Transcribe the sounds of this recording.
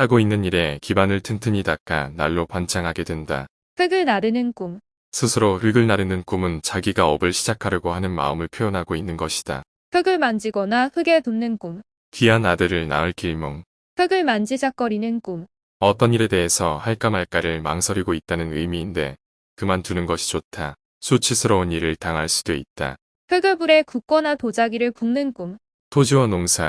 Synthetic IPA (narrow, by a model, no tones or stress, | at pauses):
haɡoinːɯɲiɾe̞kibanɯɭtʰɯntʰɯɲidak͈anaɭːopant͡ɕʰaŋɦaɡe̞dwenda̰ | kɯɡɯɭnaɾɯnɯnk͈um | sʰɯsʰɯɾoɯɭɡɯɭnaɾɯnɯnk͈umɯnt͡ɕaɡiɡaʌbɯɭɕʰid͡ʑakʰaɾjɯɡohanɯnma̰ɯmɯɭpʰjojʌnɦaɡoinːɯnɡʌɕʰi̥d̥a̰ | hɯɡɯɭmand͡ʑiɡʌnahɯɡe̞tunːɯnk͈um | tɥianadɯɾɯɭna̰ɯɭk͈ʰiɭmoŋ | hɯɡɯɭmand͡ʑid͡ʑak͈ʌɾinɯnk͈um | ʌt͈ʌɲiɾe̞de̞ɦesʰʌhaɭk͈amaɭk͈aɾɯɭma̰ŋsʰʌɾiɡoit̚t͈anɯnɯjmiːnde̞̰ | kɯmantunɯnɡʌɕʰi̥t͡ɕotʰa | sʰut͡ɕʰisʰɯɾʌuniɾɯɭtaŋɦaɭs͈u̥d̥oit̚t͈a̰ | kʰɯɡɯɭbuɾe̞kuk͈wʌnatod͡ʑaɡiɾɯɭpuŋnɯnk͈um | tʰod͡ʑiwʌnoŋsʰa